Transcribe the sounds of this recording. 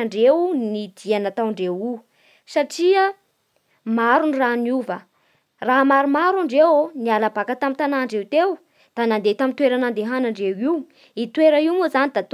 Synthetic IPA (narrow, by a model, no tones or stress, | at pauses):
ɳɖ͡ʐewnid̪̥ianat̪awɳɖ͡ʐewi | saʈ͡ʂiə | maɾuniranuvə | ramaɾumaɾaɳɖ͡ʐewonialabakət̪amit̪anaɳɖ͡ʐewt̪ew | d̪̥anand̪et̪amit̪weɾanand̪eɦanaɳɖ͡ʐewiw | it̪weɾəiumuzanid̪at̪